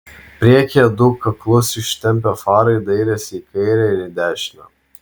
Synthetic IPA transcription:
pʲɾʲiɛkʲeɛd̪ʊkːɐklˠʊsɪʃʲt̪ʲɛmʲpʲɛfɑːɾɐɪd̪ɐɪɾʲɛsʲikɐɪɾʲɛɪɾɪd̪ʲæːʃʲɪnɐ

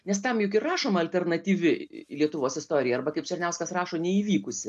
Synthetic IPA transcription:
nʲɛst̪ɐmjʊkɪrɑːʃoːmɐɐlʲtʲɛrnɐt̪ʲiːʋʲɪlʲiɛt̪ʊʋoːsɪst̪oːɾʲɪjɛɐrbɐkɐɪpt͡ʃʲɛrʲnʲɛʊskɐsrɑːʃoːnʲɛiːʋʲiːkʊsʲɪ

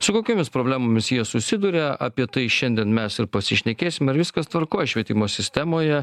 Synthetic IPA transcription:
sʊkoːkʲoːmʲɪspɾoːbʲlʲæːmoːmʲɪsjiɛsʊsʲɪd̪uːɾʲɛɐ̰pʲiɛt̪ɐɪʃʲɛnʲd̪ʲiɛnmʲɛsɪɾpɐsʲɪʃʲnʲɛkʲeːsʲɪmɐɾʋʲɪskɐst̪ʋɐɾkoːjɛʃʲʋʲiɛt̪ʲɪmoːsʲɪsʲt̪ʲɛmoːjɛ

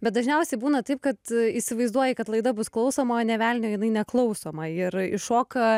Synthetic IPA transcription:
bʲɛt̪̚d̪ɐʒʲnʲɛʊsʲɛɪbuːnɐt̪ɐɪp̚kɐt̪iːsʲɪʋɐɪzd̪uɔjɛkɐt̪lˠɐɪd̪ɐbʊsklˠɒʊsoːmɐoːnʲɛʋʲæːlʲnʲoːjɪnɐɪnʲɛklˠɐʊsoːmɐɪɾɪʃoːkɐ

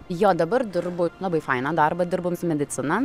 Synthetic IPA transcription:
joːd̪ɐbɐɾd̪ʲɪɾbʊlˠɐbɐɪfɐɪnɐd̪ɐrbɐd̪ʲɪɾbʊmsʊmʲɛd̪ʲɪt̪sʲɪnɐ

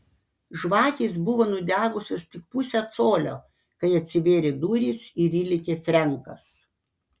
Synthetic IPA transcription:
ʒʋɑːkʲiːs̬bʊʋoːnʊd̪ʲæːɡʊsʲost̪ʲɪk̚pʊsʲɛt̪soːlʲo̰ː | kɐɪɐt̪ʲsʲɪʋʲeːɾʲeːd̪uːɾʲiːsɪɾʲiːlʲɪkʲeːfʲɾʲɛŋˑkɐ̰s

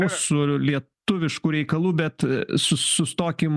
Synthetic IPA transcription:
uːsʊlʲiɛt̪ʊʋʲɪʃkuːɾʲɛɪkɐlˠuːbʲɛt̪sʊsʊst̪oːkʲim

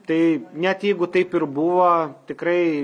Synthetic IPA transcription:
t̪ɐɪnʲɛt̪jɛɪɡʊt̪ɐɪpɪɾbuʋɐt̪ʲɪkɾɐɪ

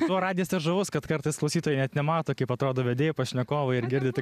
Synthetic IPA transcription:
ɔɾɑːdʲɪjɛːsɛʒɐʋʊskɐt̪kɐɾt̪ɐɪsklˠɐʊsʲiːt̪oːjɛɪnʲɛt̪nʲɛmɑːt̪oːkɐɪpɐt̪ɾoːd̪oːʋʲɛd̪ʲeːjɛpɐʃʲnʲɛkoːʋɐɪɾɡʲɪɾʲd̪ʲɪt̪ʲɪ

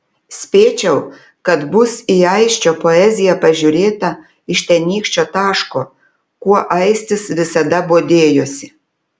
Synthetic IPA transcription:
sʲpʲeːt͡ʃʲɛʊ | kɐt̪bʊsiɐɪʃʲt͡ʃʲoːpoɛzʲɪjɛpɐʒʲʊɾʲeːt̪ɐ | ɪʃt̪ʲɛnʲiːkʃʲt͡ʃʲoːt̪ɑːʃkoː | kuɔʔɐɪsʲt̪ʲɪsʋʲɪsɐd̪ɐboːd̪ʲeːjoːsʲɪ̥

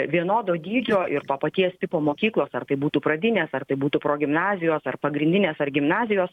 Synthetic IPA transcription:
ʋʲiɛnoːd̪oːd̪ʲiːd͡ʒʲoːʔɪɾt̪oːpɐt̪ʲiɛst̪ʲɪpoːmoːkʲiːklˠoːsɐrt̪ɐɪbuːt̪uːpɾɐd̪ʲɪnʲeːsɐrt̪ɐɪbuːt̪uːpɾoːɡʲɪmnɑːzʲɪjoːsɐrpɐɡɾʲɪnʲd̪ʲɪnʲeːsɐrɡʲɪmnɑːzʲɪjoːs

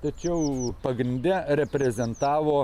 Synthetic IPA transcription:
t̪ɐt͡ʃʲɛʊpɐɡɾʲɪnʲd̪ʲɛɾʲɛpʲɾʲɛzʲɛnt̪ɑːʋoː

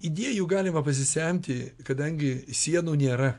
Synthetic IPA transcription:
id̪ʲiɛjuːɡɑːlʲɪmɐpɐs̬ʲɪsʲɛmʲt̪ʲɪkɐd̪ɐŋʲɡʲɪsʲiɛnuːnʲeːɾɐ

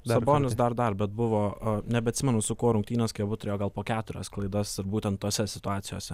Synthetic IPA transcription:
sɐboːnʲɪsd̪ɐɾd̪ɐrbʲɛt̪̚bʊʋoːɐnʲɛbʲɛɐt̪ʲsʲɪmʲɛnʊsʊkoɔɾʊŋktʲiːnʲoːskʲiobʊt̪ɾʲeːjoːɡɐlˠpoːkʲæːt̪ʊɾʲɛ̰sklˠɐɪd̪ɐsɪɾbuːt̪ʲɛnt̪t̪ːoːsʲɛsʲɪt̪ʊɑːt̪sʲɪjo̰ːsʲɛ

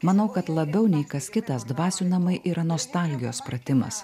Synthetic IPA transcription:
mɐnɐʊkɐt̪lˠɐbʲɛʊnʲɛɪkɐskʲɪt̪ɐsd̪ʋɑːsʲuːnɐmɐɪʔiːɾɐnoːst̪ɑlʲɡʲɪjoːspɾɐt̪ʲɪmɐ̰s

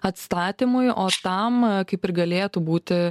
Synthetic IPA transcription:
ɐt̪st̪ɑːt̪ʲimʊjoːt̪ɐmkɐɪpɪɾɡɐlʲeːt̪ubuːt̪ʲɪ

